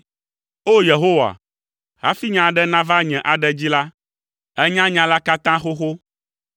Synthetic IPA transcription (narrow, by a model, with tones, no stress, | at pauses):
o˦je˨ɦo˦wa̰˨ | ɦa̰˦fi˦ɲã˨ɖɛ˦nã˦va˦ɲɛ̃˨ʔa˨ɖɛ˨d͡ʑi˦la˦ | ɛ˦ɲã˦ɲã˨la˦ka˦t̪ã˦xo˦xo˦